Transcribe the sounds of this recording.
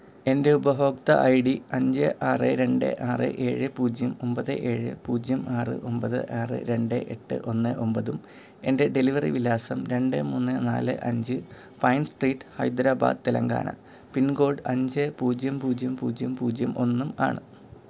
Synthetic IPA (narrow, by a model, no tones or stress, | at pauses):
e̞nde̞ubɐɦo̞ːk̚t̪ɐ̰ʔɐjɽiɐɲd͡ʑɨʔaːreɾe̞ɳɖɨ̰ʔaːrḛʔe̞ːɻɨpuːd͡ʑjɐmo̞mbɐðɨ̰ʔeːɻɨ̰puːd͡ʑjɐmaːrɨ̰ʔo̞mbɐðɨ̰ʔaːrɨ̰ɾe̞ɳɖɨʔe̞ʈːɨ̰ʔo̞nːɨʔo̞mbɐðum | e̞nde̞ɖe̞liʋɐrḭʋilaːsɐmɾe̞ɳɖɨmuːnːɨna̰ːlɨ̰ʔɐɲd͡ʑɨ | pɐjnsʈriːʈːɨ̥hɐjd̪ɾaːba̰ːd̪ɨt̪ːelɐŋɡa̰ːnʔɐ̰ | pinɡo̞ːɖɐɲd͡ʑɨpuːd͡ʑjɐmpuːd͡ʑjɐmpuːd͡ʑjɐmpuːd͡ʑjɐmʔo̞nːuma̰ːɳɨ